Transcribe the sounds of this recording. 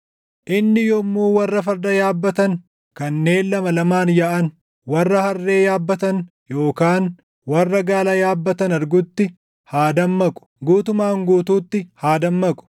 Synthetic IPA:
ʔɪnːɪjɔmːuːwɐrːɐfɐɾd̪ɐjaːbːɐt̪ɐŋ | kɐnːe̞ːnːɐmɐlɐmaːnjaʔɐn | wɐrːɐhɐrːe̞ːjaːbːɐt̪ɐn | jo̞ːkaːn | wɐrːɐɡaːlɐjaːbːɐt̪ɐnɐɾɡʊt̪ːɪ | haːd̪ɐmːɐkʼʊ̥ɡuːt̪ʊmaːŋɡuːt̪uːt̪ːɪhaːd̪ɐmːɐkʼʊ̥

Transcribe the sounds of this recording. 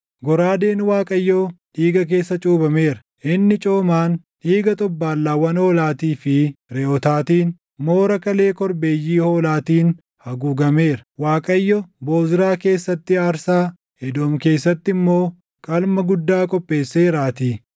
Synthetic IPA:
ɡɔɾaːd̪e̞ːnwaːkʼɐjːoᶑ̪iːɡɐk̬e̞ːsːɐt͡ʃʼuːbɐme̞ːɾɐ̥ | ʔɪnːɪt͡ʃʼo̞ːmaːn | iːɡɐt̪ʼɔbːaːlːaːwɐnhoːlaːt̪iːfɪɾɛɔt̪aːt̪iːn | mo̞ːɾɐkɐle̞ːkɔɾbeːjːiːhoːlaːt̪iːn | hɐɡuːɡɐme̞ːɾɐ̥waːkʼɐjːɔbo̞ːzɪɾaːke̞ːsːɐt̪ːɪaːɾsaː | hɛd̪oːmke̞ːsːɐt̪ːɪmːo̞ː | kʼɐlmɐɡʊd̪ːaːkʼɔpʼːe̞ːsːeːɾaːt̪iː

